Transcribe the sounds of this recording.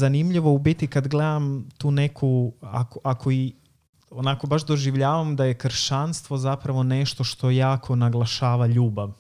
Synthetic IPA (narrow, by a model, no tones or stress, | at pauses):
zanimʎiʋo̞ubit̪ikad̪ɡle̞d̪amt̪uːne̞kʰua̰koʔakʰo̞i | onako̞baʒd̪o̞ʒiʋʎaːʋamd̪aje̞kr̩ʃanst̪ʋo̞zapɾaʋo̞ne̞ʃt̪o̞ʃt̪o̞jaːkʰo̞naɡlˠaʃaːʋaʎuːbaʋ